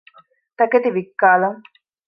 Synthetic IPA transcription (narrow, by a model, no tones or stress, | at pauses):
t̪ɐket̪iʋikːaːlɐŋ